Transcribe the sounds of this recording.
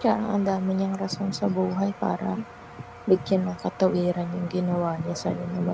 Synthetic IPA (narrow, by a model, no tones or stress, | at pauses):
t͡ʃaɾaŋa̰ndaməɲaŋɾasansabuɦajpa̰ɾa̰ | bikɪnlahkat̪awʔiɾanjaŋɡinowaɲasa̰janaba